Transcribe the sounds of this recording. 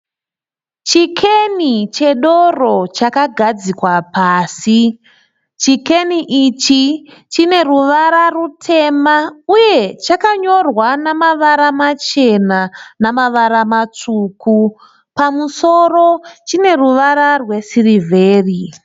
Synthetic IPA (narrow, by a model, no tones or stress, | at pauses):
t͡ʃikʰenit͡ʃe̞ɗo̞ro̞t͡ʃakaɡʱad͡zikwapaːsi | t͡ʃike̞niʔit͡ʃit͡ʃine̞ruʋaɾarutʰe̞mauje̞t͡ʃakaɲo̞rwanamaʋaɾamat͡ʃe̞nanamaʋaɾamat͡ʂuku | pamuso̞ɾo̞t͡ʃine̞ruʋaɾarwe̞sirivʱe̞ːri